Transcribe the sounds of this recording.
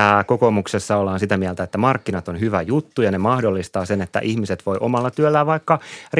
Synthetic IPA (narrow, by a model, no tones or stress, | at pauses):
æːkokomuksesːɑolːɑːnsit̪æmiælt̪æet̪ːæmɑrkːinɑt̪onɦyʋæjut̪ːujɑnemɑhdolːist̪ɑːsenet̪ːæ̰ʔihmiset̪ʋo̞iʔomɑlːɑt̪yølːæʋɑikːɑr